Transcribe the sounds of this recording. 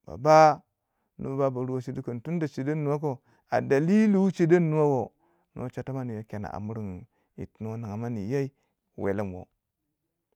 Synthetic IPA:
b̥a̰˨ba˦ | nṵ˨˦bba˦ba˨ɾu˦wa˦t͡ʃi˦du˦kə˨n˨tu˦n˦da˨t͡ʃi˨da˦nːu˨wa˦k̬o˦ | a̰˨da˨li˦li˦wu˦t͡ʃe˦da˦nːu˦wa˦wo˨ | no̰˦t͡ʃa˨ta˦ma˦ni˨ja˦ke˨na̰˨ʔa̰˨mu˦ɾi˨ŋ˨ | ḭ˨tn˦wa˦na˨ŋa˨ma˦ni˨ja˦i˦ | wḛ˨la˦mwo̰˨

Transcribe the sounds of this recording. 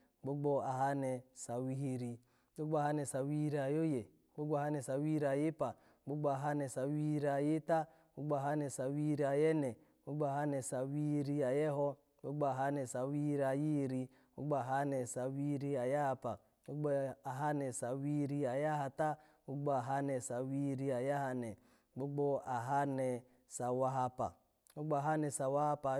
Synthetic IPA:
ɡ͡bo˦ɡ͡bɔ˦a˨ɦa˦nɛ˨sa˨wi˦ɦi˧ɾi˨ | ɡ͡bo˦ɡ͡bɔ˦a˨ɦa˦nɛ˨sa˨wi˦ɾi˨a˨jo˦je˨ | ɡ͡bo˦ɡ͡bɔ˦˨ɦa˦nɛ˨sa˨wi˦ɾi˨a˨ji˦pa˨ | ɡ͡bo˦ɡ͡bɔ˦a˨ɦa˦nɛ˨sa˨wi˦ɾi˨a˨ji˦ta˦ | bo˦ɡ͡bɔ˦a˨ɦa˦nɛ˨sa˨wi˦i˦ɾi˨a˨jɛ˦nɛ˨ | ɡ͡bo˦ɡ͡bɔ˦a˨ɦa˦nɛ˨sa˨wi˦hi˦ɾi˦a˨jɛ˦ɦɔ˦ | ɡ͡bo˦ɡ͡bɔ˦a˨ɦa˦nɛ˨sa˨wi˦ɾi˦a˨ji˦ɾi˦ | wu˦ɡ͡ba˨ɦa˦nɛ˨sa˨wi˦ɾi˦a˨ja˦a˦pa˨ | ɡ͡bu˦ɡ͡bɔ˦a˨ɦa˦nɛ˨sa˨wi˦ɾi˦a˨ja˦ɦa˨ta˦ | u˦ɡ͡bɔ˦a˨ɦa˦nɛ˨sa˨wi˦ɾi˦a˨ja˦ɦa˦nɛ˨ | ɡ͡bo˦ɡ͡bɔ˦a˨ɦa˦nɛ˨ | sa˨wa˦ɦa˦pa̰˨ | u˦ɡ͡bɔ˦a˨ɦa˦nɛ˨sa˨wa˦ha˦pa˨

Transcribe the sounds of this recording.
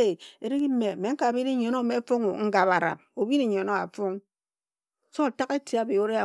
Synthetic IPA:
e˨e˨ɾi˦ki˦me˨me˨˦ŋ̩˦ka˨bi˦ne˦ɲo˨no˦˨me˨˦fo˦ŋo˨ŋ̩˦ɡa˨pa˨ɾa̰˨p̚o˨bi˦ne˦ɲo˨no˦a̰˨fo˦ŋ | so˦a˨ta˦ke˦ti˨˦a˨bi˨o˦ɾe˦a˨

